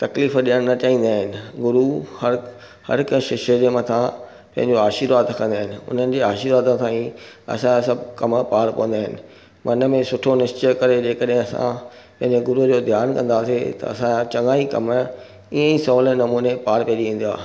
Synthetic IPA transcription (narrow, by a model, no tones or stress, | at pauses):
t̪ɐkliːfɗiəɽ̃nɐt͡ɕaːĩːn̆d̪aːɦɪnɪ̆ɡʊɾuhɐɾ | hɐ̰ɾkʃɪʃed͡ʑeːmɐt̪ʰã | pɐ̃ɦɪ̃ɲd͡ʑoaːʃiːɾʋaːd̪ɐkʰə̃nd̪aːɦɪnɪ̆ʊ̰n̤ənɪ̆d͡ʑeːaːʃiːɾʋaːd̪t̪ʰãːĩɐ̰sãasɐbʱkɐmpaːɾpɐ̰ʋə̃nd̪aːɦɪnɪ̆ | mɐnə̆mẽsʊʈʰonɪʃt͡ɕəkɐɾed͡ʑeːkəɗɦɪ̃ɐsã̰ | pɐ̃ɦɪ̃ɲd͡ʑeɡʊɾud͡ʑoːd̪ʱjaːnkɐ̃nd̪aːset̪ɐ̰ɐ̰sããt͡ɕɐ̃ŋɡaːikɐ̰m | iːə̃isɔlənɐmuːnepaːɾpijeɗiʋẽːn̆d̪ia̰ː